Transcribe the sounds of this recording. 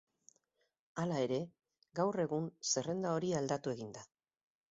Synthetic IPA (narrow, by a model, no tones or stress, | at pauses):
alae̞ɾe̞ | ɡawre̞ɣunse̞re̞nd̪ao̞ɾiald̪at̪ue̞ɣind̪a